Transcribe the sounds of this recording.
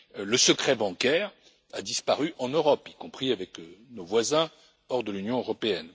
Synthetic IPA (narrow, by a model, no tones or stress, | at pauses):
ləsəkχɛbɑ̃kʲɛʁ | a̰d̪ispaʁyʔɑ̃nøʁɔpikɔ̃pχiavɛknovwazɛ̃ | ɔʁd̪əlynjɔ̃øʁɔpeɛn